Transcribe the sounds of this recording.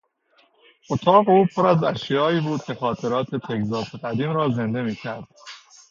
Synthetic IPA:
ʔot̪ʰɒːɣeuːpʰoɾæzæʃjɒːiːbuːd̪̥̚cʰʲe̞xɒːt̪ʰe̞ɾɒːt̪ʰet̪ʰekzɒːseʁæd̪iːmɾɒːze̞nd̪e̞miːcʲʰæɾd̪̥

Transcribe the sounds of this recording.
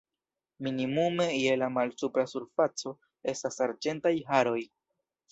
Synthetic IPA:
minimume̞je̞lamalsupɾasuɾfat͡so̞ | e̞stasaɾd͡ʒe̞ntajɦaɾo̞j

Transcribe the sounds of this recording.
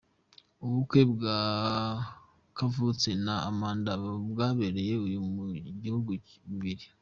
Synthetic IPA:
uβukwe̞bɡa | kavut͡senaːmaːndaβbɡaːβeɾeje̞ujumuɟihuɡuβiɾi

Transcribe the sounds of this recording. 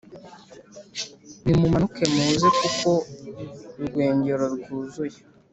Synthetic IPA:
nimumanukemuzikuko̞ | ɾɡwe̞ːɲɟeɾoɾɡuːzuje

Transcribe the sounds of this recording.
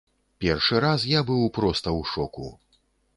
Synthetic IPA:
pʲɛrʂɨɾasjabɨwpɾɔst̪ɐwʂɔkṵ

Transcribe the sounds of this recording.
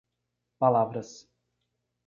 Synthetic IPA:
palˠavɾəs

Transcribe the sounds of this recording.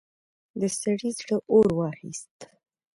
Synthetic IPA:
d̪əsaɽizɽəʔoɾwɑxḭst̪

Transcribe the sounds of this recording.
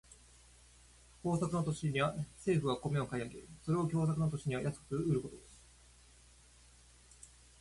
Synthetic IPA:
ko̞ːsakɯ̟not̪̬oɕiɲ̟iβase̞ːɸɯ̟βako̞me̞o̞kaiaɡe̞̰so̞ɾe̞o̞kʲo̞ːsakɯ̟not̪o̞ɕiɲ̟iβajat͡sɨ̥kɯ̥kɯɯ̟ɾɯ̟ko̞t̪o̞d̪esɨ̥

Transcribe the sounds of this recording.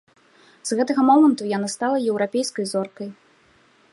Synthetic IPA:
z̥ɣɛt̪ɐɣɐmɔmɐnt̪ujanast̪alˠɐjɛwɾapʲejskɐjzɔrkɐj

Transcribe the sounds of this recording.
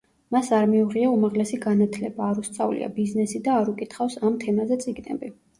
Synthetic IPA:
masaɾmiuʁiaumaʁlɛsiɡanat̪ʰlɛbaːɾust̪sʼavlḭa̰biznɛsid̪aːɾukʼit̪ʰχafsamt̪ʰɛmazɛt̪sʼiɡnɛ̰bi

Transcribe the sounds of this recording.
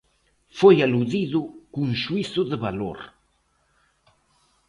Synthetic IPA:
fojaluðiðʊkuŋʃuiθʊðəβalo̰ɾ

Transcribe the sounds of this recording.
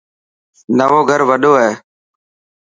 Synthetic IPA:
nəʋoːɡʱəɾʋəɗoːɦɛː

